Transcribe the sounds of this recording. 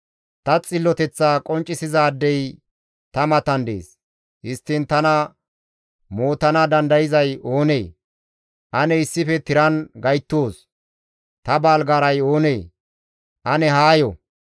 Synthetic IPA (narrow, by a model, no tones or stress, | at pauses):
t̪ɐt͡sʼɪlːɔt̪ɛt͡sːaːkʼɔnt͡ʃʼːɪsɪzaːd̪ːɛj | t̪ɐmɐt̪ɐnd̪ḛːs | hɪst̪ːɪnt̪ɐnɐ | mo̞ːt̪ɐnɐd̪ɐnd̪ɐjɪzɐjo̞ːne̞ː | ʔɐnɛɪsːɪfɛt̪ɪɾɐnɡɐjt̪ːoːs | t̪ɐbaːlɡaːɾɐjo̞ːneː | ʔɐnɛɦaːjɔ